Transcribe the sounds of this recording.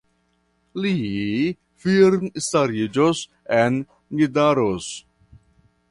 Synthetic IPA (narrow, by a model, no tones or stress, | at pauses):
li | fiɾnstaɾid͡ʒos | en | ɡidaɾos